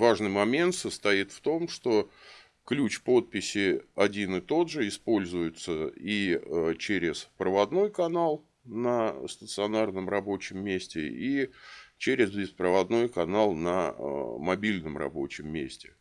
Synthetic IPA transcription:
vaʐnɨjmɐmʲe̞nt̪səst̪ɐit̪ft̪o̞mʂt̪o̞ | klʲut͡ɕpo̞t̪̚pʲɪsʲɪɐdʲinɨt̪o̞d̪ʐɨɪspo̞lʲzʊjʊt̪səit͡ɕeɾʲɪspɾəvɐd̪no̞jkɐnalˠ | nəst̪ət̪sɨɐnarnəmrɐbo̞t͡ɕɪmːʲesʲtʲɪ̰it͡ɕeɾʲɪzbʲɪspɾəvɐd̪no̞jkɐnalˠnə̰mɐbʲilʲnəmrɐ̰bo̞̰t͡ɕɪmːʲḛsʲtʲɪ̥

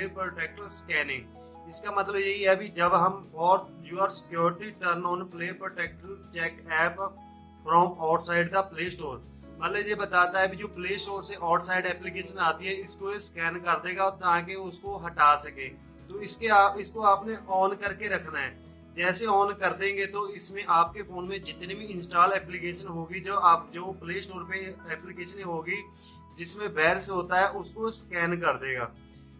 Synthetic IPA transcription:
eːpɾoːʈeːk̚ʈəɾskɛːnɪ̃ŋɡ | ɪskamɐt̪ləbjɐɦiɦɛbid͡ʒɐbɦɐmbɔːt̪̚d͡ʒuːəɾsɪ̥kjoːɾɪʈiʈəɾnɔːnpleːpɾoːʈeːk̚ʈəɾt͡ʃɛːkɛːp | fɾɔːmɔːʈsaːɪɖd̪apleːsʈoːɾ | mɐt̪ləbjebɐt̪aːt̪aɦɛbid͡ʒoːpleːsʈoːɾseʔɔːʈsaːɪɖɛːplikeːʃənaːt̪iɦɛɪskoeskɛːnkɐɾd̪eːɡaɔːɾt̪ɐɦãk̬eʊskoɦɐʈaːsɐkẽː | t̪oːɪskeaːɪskoaːpneʔɔːnkɐɾkeɾɐkʰnaɦɛː | d͡ʒɛːseɔːnkɐɾd̪ẽːŋɡet̪oɪsmẽʔaːp̚kefoːnmẽd͡ʒɪt̪nibʱiɪ̃nsʈaːlɛːplikeːʃənɦoːɡid͡ʒoːaːp̚d͡ʒoːpleːsʈoːɾpeɛːplɪkeːʃənɦiɦoːɡi | d͡ʒɪsmẽbɛːɾsɦoːt̪aɦɛʔʊskoskɛːnkɐɾd̪eːɡa̰ː

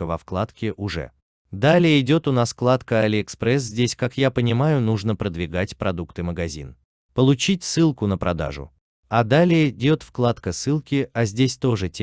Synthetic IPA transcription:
əvɐfklˠat̪kʲɪʔʊʐɛ̰ | d̪alʲɪjəɪdʲo̞t̪ʊnasklˠat̪kəalʲɪɛkspɾɛs̬zʲdʲesʲkakjapənʲɪmajʊnuʐnəpɾəd̪vʲɪɡatʲpɾɐd̪ukt̪ɨməɡɐzʲḭn | pəlˠʊt͡ɕitʲsɨlˠkʊnəpɾʔɐd̪a̰ʐʊ̰ | ɐd̪alʲɪjədʲo̞t̪fklˠat̪kəsɨlˠkʲɪɐzʲdʲesʲt̪o̞ʐɨtʲ

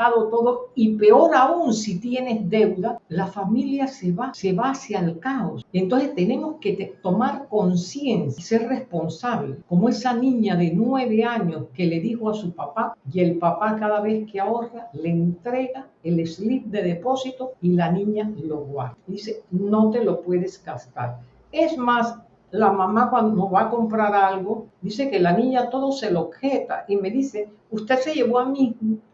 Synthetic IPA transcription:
aðo̞t̪o̞ðoipe̞o̞ɾaunsit̪je̞ne̞zd̪e̞wðalafamiljaseβase̞βaːsjalkao̞sent̪o̞nsest̪e̞ne̞mo̞sket̪t̪o̞maɾko̞nsje̞nsse̞ɾre̞spo̞nsaβlekomoe̞sanĩɲaðe̞nwe̞β̞e̞aɲo̞ske̞le̞ðixo̞asupapaje̞lpapakaðaβe̞skeao̞ralent̪ɾe̞ɣaele̞slip̚d̪e̞ðe̞po̞sit̪oilanĩɲaloɣwa̰ɾd̪iseno̞t̪e̞lo̞pwe̞ðesɡast̪a̰ɾ | e̞zmas | lamãmakwand̪oβako̞mpɾaɾalɣo̞d̪ise̞ke̞lanĩɲat̪o̞ðo̞se̞lo̞xet̪a̰ʔime̞ðise̞ | ust̪e̞ðse̞ʝe̞βoamimo

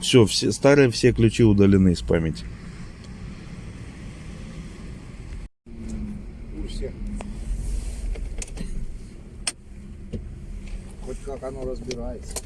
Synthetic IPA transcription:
fsʲɵfsʲst̪aɾɨjəfsʲeklʲʉt͡ɕiʊd̪əlʲɪnɨɪspa̰mʲɪtʲɪ̥ | ʊsʲex | xotʲkakanoɾəzbʲɪɾajɪt̪sə̥

